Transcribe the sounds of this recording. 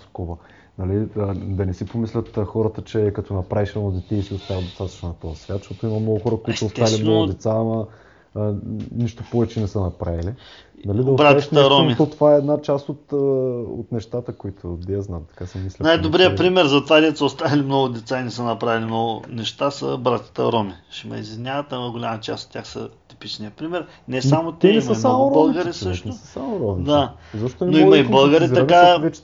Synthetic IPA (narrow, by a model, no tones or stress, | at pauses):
skɔvə | nɐlid̪ɐnɛsipomislʲət̪xɔɾət̪ət͡ʃɛkɐt̪ɔnɐpɾaviʃɛod̪ɛt̪ɛisiost̪avɐd̪ost̪at̪ɐ̥t͡ʃnonɐt̪ɔɐsvʲat̪ʃt̪ot̪oimɐmnoɡʊxɔɾəkoit̪oost̪avɐlimnɔɡʊd̪ɛt̪samɐ | niʃt̪opɔvɛt͡ʃɛnɛsənɐpɾavili | nɐlid̪ɐbɾaɛɛɾɔmit̪ot̪ovaɛɛd̪nat͡ʃast̪ot̪o̰t̪nɛʃt̪at̪əkoit̪ʰod̪ɛzna̰mt̪ɐ̥kasəmislɛnajd̪obɾijəpɾimɛɾzɐt̪ovad̪ɛt̪səʊst̪avɐlimnoɡʊd̪ɛt̪sainɛsənɐpɾavilimnɔɡʊ̰nɛʃt̪asə̰bɾat̪ʲi̥t̪ə̰ɾɔmiʃimɐ̰izvʲnʲavɐt̪aɐɡolʲamɐt͡ʃa̰sot̪ːʲjaxsə̰t̪i̥pit͡ʃniəpɾimɛɾ | nɛamot̪ɛnɛsəsamoɾɔbəlˠɡɐɾisɤʃt̪nʊsəsamoɾɔmid̪a | zoʃtot̪onɛnoimɐibəlˠɡəɾiɐkavɛt͡ʃ̪